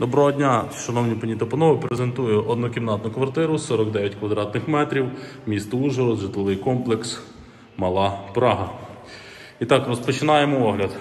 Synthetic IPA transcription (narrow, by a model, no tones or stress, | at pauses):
d̪ɔbɾɔɦɔdʲnʲaʃɐnɔwnʲipɐnʲit̪ɐpɔnɔɦʊpɾezent̪ujʊʔɔd̪nukɪmnɑt̪nʊkʋɐrt̪ɪɾʊsɔɾɔkd̪ɛjʲɐtʲkʋɐd̪ɾɑt̪nɪxmɛt̪ɾʲiwmʲist̪ɔuʒɔɾɔzʒɪt̪lˠɪʋɪjkɔmplˠeks | mɐlˠɑpɾɑɦɐ | it̪ɑkɾɔspɔt͡ʃɪnɑjemɔɔɦlʲɐd̪